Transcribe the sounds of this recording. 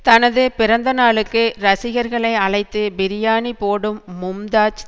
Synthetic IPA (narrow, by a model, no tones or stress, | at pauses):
t̪ɐnɐðɯpɪɾɐnd̪ɐnaːɭɯkːɯɾɐsɪɣɐɾɣɐɭɐɪɐɭɐɪt̪ːɯbɪɾɪjaːɳipoːɽɯmːʊmd̪aːt͡ʃ